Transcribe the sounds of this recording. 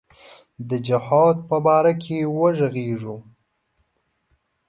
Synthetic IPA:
d̪əd͡ʒɪhɑd̪̚pəbɑɾakʰewəʐəɣeʐu

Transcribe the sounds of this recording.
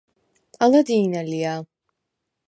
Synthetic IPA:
pʼalˠad̪iːnalia

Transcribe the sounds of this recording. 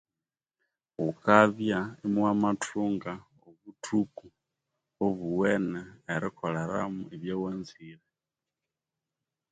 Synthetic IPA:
ukaβjaemwwamatʰuŋɡa | oβutʰuku | oβuweneːɾikʰoleɾa̰muiβjewenziɾe

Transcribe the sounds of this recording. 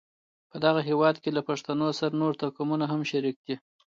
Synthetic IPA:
pəd̪aɣaɦewɑd̪kelapaʂt̪anosaɾanoɾt̪akamunaɦamʃaɾik̚d̪i

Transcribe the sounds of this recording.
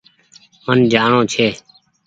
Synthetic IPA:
mənd͡ʒaːɳõːt͡ʃʰeː

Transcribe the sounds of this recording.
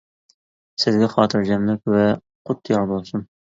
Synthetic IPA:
sɪzɡʲɛχɑːt̪ʰɨɾd͡ʒɛmlɪk̚ʲwɛ | qʰʊt̪ʰːjɑɾbolˠsun

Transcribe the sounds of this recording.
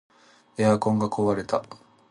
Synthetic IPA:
eakoŋɡakʰoβaɾe̞t̪a

